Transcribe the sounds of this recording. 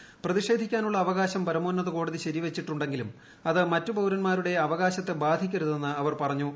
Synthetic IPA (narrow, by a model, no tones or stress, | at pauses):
prɐðiʂe̞ːd̪ʱikʲːaːnuɭːɐːʋɐɣaːɕɐmpɐɾɐmoːnːɐðɨko̞ːɽɐðiɕɐɾiʋet͡ɕːiʈːuɳɖe̞ŋɡilum | ɐðɨmɐtːubɐwɾɐnmaːɾuɽe̞ɐʋɐɣaːɕɐt̪ːe̞baːd̪ʱikʲːɐɾuðe̞nːɨɐʋɐrpɐrɐɲːu